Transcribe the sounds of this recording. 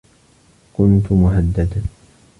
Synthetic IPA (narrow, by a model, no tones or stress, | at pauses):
kʊnt̪ʊmʊɦad̪ːad̪